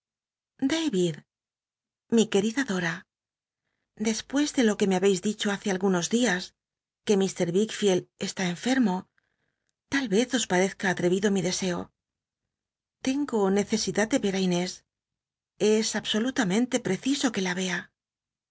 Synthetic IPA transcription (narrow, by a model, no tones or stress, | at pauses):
d̪ajβið | mike̞ɾiðaðo̞ɾa | d̪e̞spwe̞zðe̞lo̞ke̞meaβe̞jzðit͡ʃo̞aθe̞alɣuno̞zðias | ke̞mist̪e̞ɾβikfjele̞st̪ae̞ɱfe̞ɾmo̞ | t̪alβe̞θo̞spaɾe̞θkaːt̪ɾe̞βiðo̞miðe̞se̞o̞̰ | t̪e̞ŋɡo̞ne̞θe̞siðad̪̚d̪e̞βe̞ɾajne̞s | e̞saβso̞lut̪amẽ̞nt̪e̞pɾe̞θiso̞ke̞laβe̞a